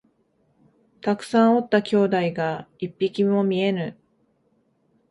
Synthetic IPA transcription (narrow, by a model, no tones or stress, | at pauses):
t̪akɯ̟̥sãɰ̃o̞t̪ːakʲo̞ːd̪aiɡaipʲːikʲimo̞mʲie̞nɯ̟